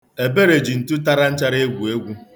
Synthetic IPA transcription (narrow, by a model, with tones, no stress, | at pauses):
e˨be˦ɾe˨d͡ʒi˨n̩˨tʊ˦ta˦ɾa˦n̩˦t͡ʃa˦ɾe˦ɡʷu˨e˦ɡʷu˦